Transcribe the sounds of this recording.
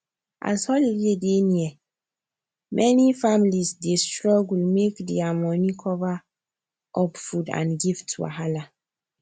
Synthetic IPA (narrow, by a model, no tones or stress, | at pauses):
ʔa̰shɔliledeniɛ | mʔɛnifamilisdestɹɔɡulmekdiamɔ̃nikʰɔva | ʔɔpfudã̰nɡivtʰṵa̰ɦala